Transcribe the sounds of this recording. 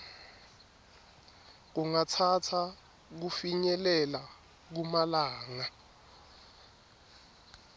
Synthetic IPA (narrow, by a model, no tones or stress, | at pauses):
k̬uŋatʰatʰa | k̬ufiɲɛlɛla | k̬umalaːŋa